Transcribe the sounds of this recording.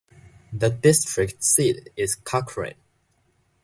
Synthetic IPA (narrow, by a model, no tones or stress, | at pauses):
ðədɪstɹɪktsitɪz̥kʰakʰɹḛ̃n